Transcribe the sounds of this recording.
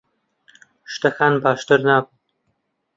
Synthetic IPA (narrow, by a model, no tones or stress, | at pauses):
ʃt̪ɐxaːnbaːʃt̪əɾnaːb